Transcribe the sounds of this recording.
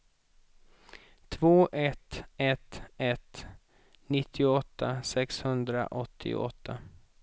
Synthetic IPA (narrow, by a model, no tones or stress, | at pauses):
t̪ʰvoːʔɛt̪ɛt̪ɛt̪ | nɪt̪ʰːɪʊɔt̪ʰːasɛkshɵnd̪ɾa̰ʔɔt̪ʰːɪ̰ɔ̰t̪ʰːa